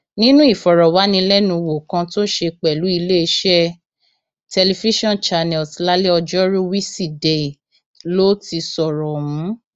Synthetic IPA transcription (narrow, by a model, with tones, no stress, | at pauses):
nĩ˦nũ˦i˦˨fɔ˨ɾɔ˨wa˨˦nĩ˧lɛ˦nũ˧wo˨kã˧to˦ʃe˧k͡pɛ˨lu˨˦i˧le˦˧ʃɛ˦ | tɛ˧le˧fi˦ʃɔ̃˦˨nt͡ʃa˨nɛ˨lsla˦le˦ɔ˧d͡ʒɔ˦ɾu˦wi˦si˦˨de˨i˨ | lo˦ti˧sɔ˨ɾɔ˨mũ˨˦